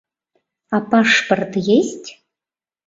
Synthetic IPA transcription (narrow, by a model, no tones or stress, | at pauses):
apaʂpərt̪jesʲtʲ